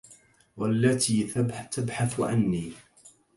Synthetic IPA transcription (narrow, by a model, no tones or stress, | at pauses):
walːat̪iːt̪abħaθʕa̰nːiː